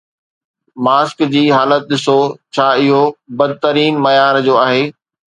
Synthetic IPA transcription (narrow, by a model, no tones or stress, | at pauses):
maːskd͡ʑiːɦaːlət̪̚ɗɪsot͡ɕʰaːɪɦobɐd̪̚t̪əɾiːnmɐjaːɾd͡ʑoːaːɦeː